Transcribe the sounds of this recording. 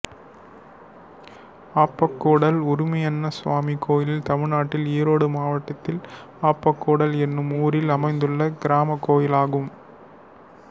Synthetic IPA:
aːpːɐkːoːɽɐlʊɾʊmɐjɐnːɐsʊʋaːmikːoːjɪlɪlt̪ɐmɪɻnaːʈːɪliːɾoːɽɯmaːʋɐʈːɐt̪ːɪl | aːpːɐkːuːɽɐlɛnːɯmuːɾɪlɐmɐɪnd̪ɯɭːɐɡɪɾaːmɐkːoːjɪlaːɣɯm

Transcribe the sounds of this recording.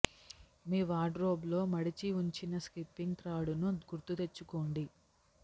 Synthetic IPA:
miːʋaːɖɾo̞ːblo̞ːmɐɽit͡ʃiuɲt͡ʃinɐskɾipːiŋɡt̪ɾaːɽunuɡuɾt̪ut̪e̞t͡ʃːukoːɳɖi

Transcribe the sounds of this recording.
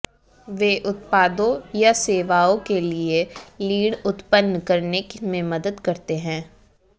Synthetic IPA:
ʋeːʔʊt̪paːd̪õjaseːʋaːõkelieliːɽʊt̪pənːkɐɾnekmẽmɐd̪əd̪kɐɾt̪eɦɛ̃ː

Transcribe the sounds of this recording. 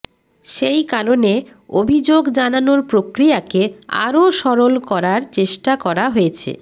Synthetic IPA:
ʃejkaɾone | obʱid͡ʑoɡd͡ʑananoɾpɾokɾijakea̰ɾoʃɔɾolkɔɾaɾt͡ɕeʃʈakɔɾaɦojet͡ɕʰḛ

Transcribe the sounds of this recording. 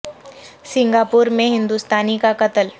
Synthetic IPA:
sɪ̃ŋɡaːpuːɾmẽɦɪ̃nd̪uːst̪aːnikakɐt̪əl

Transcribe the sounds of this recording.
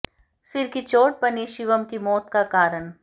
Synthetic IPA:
sɪɾkit͡ʃoːʈ̚pɐniːʃiʋəmkimɔːt̪kakaːɾəɳ

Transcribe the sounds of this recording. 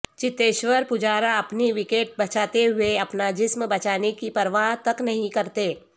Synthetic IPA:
t͡ʃɪt̪ːeːʃʋəɾpʊd͡ʒaːɾaɐpniʋɪkeːʈ̚bɐt͡ʃaːt̪eɦʊeɐpnad͡ʒɪsmbɐt͡ʃaːnekipɐɾʋaːɦt̪ɐknɐɦĩkɐɾt̪eː

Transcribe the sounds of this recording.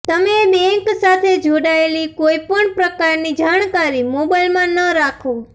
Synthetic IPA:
t̪əmebɛ̃ŋksat̪ʰed͡ʒʱoɽaelikoipəɳpɾəkaɾnid͡ʒaɳkaɾimobailmãnəɾakʰõ

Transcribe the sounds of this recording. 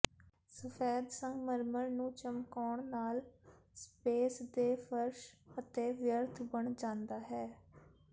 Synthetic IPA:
səfʰeːd̪səŋɡməɾməɾnũːt͡ʃəmkaːɳnaːl | speːsd̪eːfʰəɾʃət̪eːʋjəɾt̪ʰbəɳd͡ʒãːnd̪aːɦɛː

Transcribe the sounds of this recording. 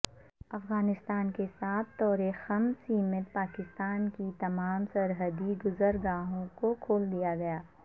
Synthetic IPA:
ɐfɣaːnɪst̪aːnkesaːt̪ʰːɔːɾexəmsiːmɪt̪̚paːkɪst̪aːnkit̪ɐmaːmsɐɾɦəd̪iɡʊzəɾɡaːɦõkokʰoːld̪ijaɡɐjaː

